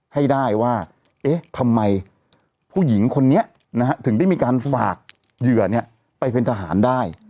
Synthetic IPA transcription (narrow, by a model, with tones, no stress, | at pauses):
ha˥˩jdaː˥˩jwaː˥˩ | ʔeː˦˥t̪ʰa˧mːa˧j | pʰuː˥˩ji˩˦ŋkʰo˧nːi˦˥ɐ | na˦˥kʰa˦˥t̪ʰɯ˩˦ŋda˥˩jmiː˧kaː˧nfa̰ː˨˩k̚ | jɯ˨˩ɐni˥˩ɐ | pa˧jpe˧nt̪ʰaː˧ɦa̰ː˩˦ndaː˥˩j